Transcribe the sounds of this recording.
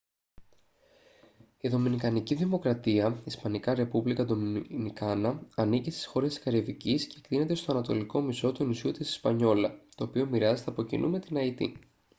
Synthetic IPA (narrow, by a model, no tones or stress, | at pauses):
iðo̞minikɐniciðimo̞kɾɐt̪iɐispɐnikɐɾe̞puvlikɐd̪ominikɐnɐɐnicist̪i̥sxo̞ɾe̞skɐɾivicisceːkt̪ine̞t̪e̞st̪o̞ɐnɐt̪o̞liko̞miso̞t̪uenusiut̪isi̥spɐɲo̞lɐt̪o̞ːpio̞miɾɐzet̪eɐpo̞cḭnʔṵme̞t̪inɐit̪ḭ